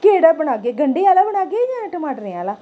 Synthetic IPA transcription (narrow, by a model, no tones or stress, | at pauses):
keːɽaːbənaːɡeːɡəɳɖeaːlaːbəɽaːɡed͡ʒaːnãʈəmaːʈəɾeaːlaː